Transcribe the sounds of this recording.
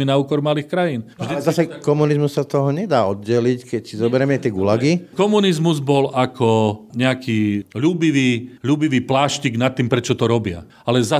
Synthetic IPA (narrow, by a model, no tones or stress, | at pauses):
inauːkɔɾmaliːxkɾajiːnʒd̪iɛzasɛkɔmunizmussat̪ɔɦɔɲɛd̪aːɔd̪̚ɟɛlickɛcsizɔbɛɾɛmɛat̪ɪɛɡulaɡikɔmunizmuzbɔlakʰɔɲɛakʰiːʎuːbiʋiːʎuːbiʋiːplaːʃciɡnat̪ːiːmpɾɛt͡ʃɔt̪ɔɾɔbɪa̰ | alɛza